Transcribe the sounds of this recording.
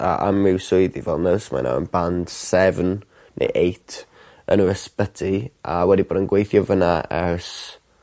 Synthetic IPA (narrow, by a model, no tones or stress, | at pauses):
a̰ʔamːɪwsʊɨðivɛlˠnəsma̰na̰ə̰nband̥sɛvn | nʔḛjʔejtʰ | ə̰nəɾəspətʰiawɛdiboːdənɡwejθjɔvənaɛrs